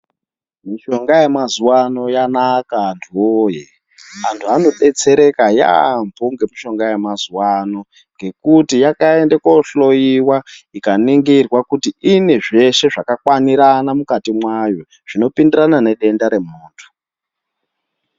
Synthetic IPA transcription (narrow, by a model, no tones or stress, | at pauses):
miʃo̞ŋɡajemazuwano̞janakantʰuwoːje | antʰuano̞ɓe̞t͡se̞ɾe̞kaja̰mbʱoŋɡe̞miʃo̞ŋɡaje̞mazuwano̞ | ŋɡe̞kutijakae̞ndekoɬo̞jiwaikaniŋɡirwakutiineʐe̞ʃe̞ʐakakwaniɾanamukatimwajo | ʐ̥ino̞pindiranane̞ɗe̞ndaɾe̞muːntʰu̥